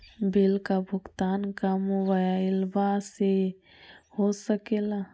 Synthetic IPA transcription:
bɪlkabʱʊɡt̪aːnkamobajaɪlbase | hosəkeːla

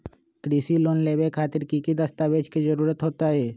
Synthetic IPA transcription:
kɾiːsiloːnleːbekʰaːt̪ɪɾkikid̪əst̪abeːd͡ʒkid͡ʒəɾuːɾət̪ɦoːt̪aɦɛː

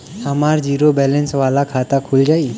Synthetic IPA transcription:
amaɾd͡ʑiɾobɛlɛnsʋalakʰat̪akʰuld͡ʒai

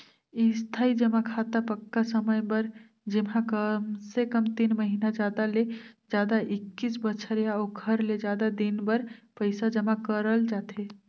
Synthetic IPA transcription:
ist̪ʰaid͡ʒəmakʰat̪apəkːasəməjbəɾ | d͡ʒemɦãkəmsekəmt̪inməɦinad͡ʒad̪aled͡ʒjad̪aʔikːisbət͡ʃʰəɾjaokʰəɾled͡ʒad̪ad̪inbəɾpəɪsad͡ʒəmakəɾəld͡ʒat̪ʰe

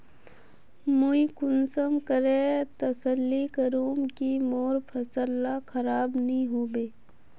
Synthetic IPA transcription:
muikʊnsəmkəɾet̪əsəlːikəɾõːmkimoːɾpʰɐsəlːakʰɐɾaːbnəɦĩɦoːbeː

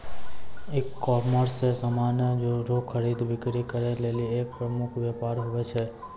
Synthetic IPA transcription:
ekːɔməɾsesəmanjəd͡ʒoɾokʰəɾid̪ʋɪkɾikəɾeleliek̚pɾəmukʰʋjɛpaɾɦoʋet͡ʃʰe

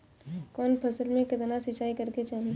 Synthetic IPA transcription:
kɔːnpʰɐsəlmẽkɪt̪nasɪt͡ʃaːikəɾket͡ʃaːl

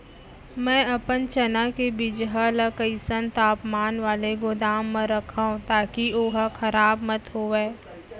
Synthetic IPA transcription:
mɛ̃ːɐpənt͡ʃɐnakebɪd͡ʒɦaləkəisənt̪aːpmaːnʋaːleɡod̪aːmːə̃ɾɐkʰaũt̪aːkioːɦakʰɐɾaːbmət̪ɦoːʋeː

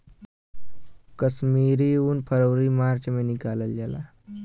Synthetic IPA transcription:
kəsmiːɾiuːnpʰəɾəwɾimaːɾt͡ʃmenikaːləld͡ʒala̰

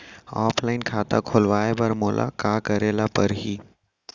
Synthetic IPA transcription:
aːpʰlaːɪnkʰaːt̪a̰kʰoːlʋaːebɐɾmoːlʔa̰kaːkɐɾeːlapɐɾɦiː

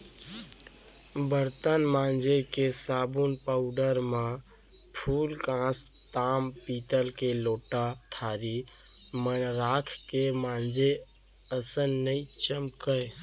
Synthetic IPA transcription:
bəɾt̪ənmãnd͡ʒekesabunpaʊɖəɾmapʰulkãst̪ampit̪əlkeloʈat̪ʰaɾimənɾakʰkemãnd͡ʒeəsənːəjt͡ʃəmkəj

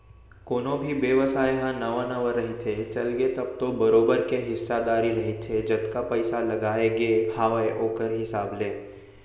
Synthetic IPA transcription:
koːnõbʱibeʋəsaːeɦãnɐʋãnɐʋəɾːɐɦet̪ʰeːt͡ʃɐlɡet̪ɐb̚t̪obɐɾoːbəɾkeɦɪsːad̪aːɾiɾɐɦit̪ʰed͡ʒɐt̪kapɛɪsalɐɡaːeɡeːhaːʋaeʔoːkəɾɦɪsaːbleː

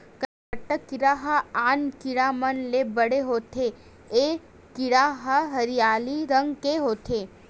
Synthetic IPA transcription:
kəɾaʈəkːɪɾaɦəaːnkɪɽamənlebəɽeɦoːt̪ʰe | e | kɪɽaɦəɦɐɾijaːliɾə̃ŋɡkeɦoːt̪ʰeː

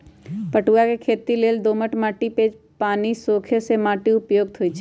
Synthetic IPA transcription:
pəʈuakekʰeːt̪ileːld̪oːməʈmaːʈipeːd͡ʒ | paːnisoːkʰesemaːʈiʊpjoːɡ̚t̪ʰoit͡ʃʰː

